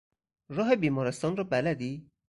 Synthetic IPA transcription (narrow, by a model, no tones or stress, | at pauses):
ɾɒːɦe̞biːmɒːɾest̪ɒːnrɒːbælæd̪iː